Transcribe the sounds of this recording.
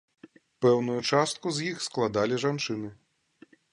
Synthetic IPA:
pɛwnujut͡ʂast̪̚kuzjixsklˠad̪alʲiʐant͡ʂɨnɨ

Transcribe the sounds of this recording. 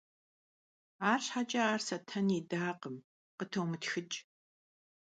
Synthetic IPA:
aːrɕħat͡ʃʼɐaːrsɐtʰɐniːdaːqəm | qətʰowmɨtxɨt͡ʃʼ

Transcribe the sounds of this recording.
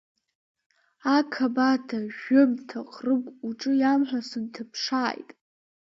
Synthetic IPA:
akʰabatʰaʒʊmtʰaqʼrɨkʷʼuʈ͡ʂʼɨjamħʷᶣasɨntʰɨpʰʂaːjtʼ

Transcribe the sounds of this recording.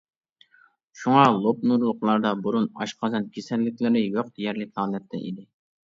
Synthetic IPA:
ʃuŋɑlˠop̚nuɾlˠʊqlˠɑɾd̪ɑbuɾunɑ̰ʃqɑzɑnkʲʰesɛlːɪkʲlɪɾɪjoq̚d̪ejɛɾlɪkʲhɑːlˠɛt̪ʰːɛ̰ʔḭd̪ɪ

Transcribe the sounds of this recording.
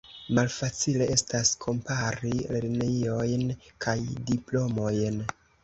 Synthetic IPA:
malfat͡sile̞ʔe̞staskʰo̞mpaɾileɾneio̞jnkʰajdiplo̞mo̞jn

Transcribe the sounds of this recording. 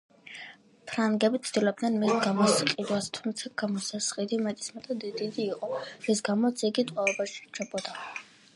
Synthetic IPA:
pʰɾaŋɡɛbit̪sʰd̪̥ilɔb̚d̪nɛnmisɡamɔsqʼid̪wast̪ʰumt̪sʰaɡamɔsasχʼid̪imɛt̪ʼi̥smɛt̪ʼad̪id̪id̪iːqʼɔɾisɡamɔt̪sʰiɡit̪ʼwalɔbaʃi̥ɾt͡ʃʰɛbɔd̪a

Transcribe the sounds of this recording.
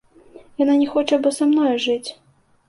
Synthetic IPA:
jananʲɛxɔt͡ʂɐbɔsamnɔjʐɨt͡sʲ

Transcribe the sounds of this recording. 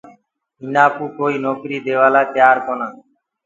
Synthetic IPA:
inaːpuːkoːiːnoːkɾiːd̪eːʋaːlaːt̪ɪjaːɾkoːnãː

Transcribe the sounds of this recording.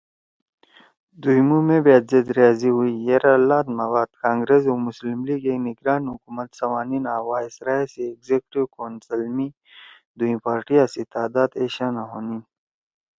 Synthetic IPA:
d̪ujmumẽbeːt̪zed̪ɾijaːziɦuijeɾalaːt̪mawaːd̪̥kãːŋɡɾez̬omʊslimliːɡeniɡɾaːnɦukuːmət̪sɐmaːniːnaːwaːɪsɾaːiseːɡzekʈiwkoːnsɐlmi | d̪uĩpaːɾʈijaːsit̪aːd̪aːd̪eːɕaːnaɦoːniːn

